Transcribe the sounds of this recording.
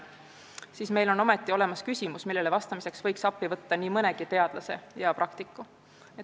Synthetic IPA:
siːsme̞jlo̞no̞met̪ˑːio̞le̞mɑskysʲimusmilːe̞levɑst̪ɑmise̞ksvɤjksɑpːivɤt̪ːɑniːmɤnɛ̞ɡ̥it̪e̞ɑd̪lɑse̞̰jɑpɾʔɑkt̪ikːˑu | e

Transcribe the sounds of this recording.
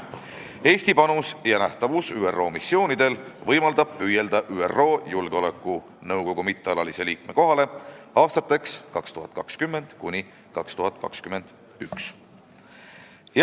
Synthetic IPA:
e̞ːsʲt̪ipɑnusjɑnæht̪ɑvusyːerːo̞ːmisːio̞ːnid̪̥e̞lvɤjmɑld̪ɑb̥̚pyje̞ld̪̥ɑʔyːḛro̞ːjulɡ̥eo̞le̞kːˑu | nɤwɡ̥o̞ɡ̥umit̪ːˑeɑlɑlise̞liːk̚me̞ko̞ɦɑle̞ɑːst̪ɑt̪ːe̞kskɑkst̪uɦɑt̪̚ːˑkɑkskymːend̪̥kunʲi | kɑkst̪uɦɑt̪̚ːˑkɑ̰kskyme̞nd̪̥ | yks

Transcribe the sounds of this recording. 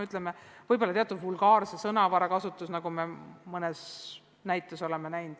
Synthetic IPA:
yt̪lemevɤjbo̞lːɑt̪eɑt̪ːud̪vulɡɑːrsesɤnɑvɑɾɑkɑsut̪ːˑusnɑɡ̥umemɤnes | næjt̪ːˑeso̞lemenæjnd̪̥

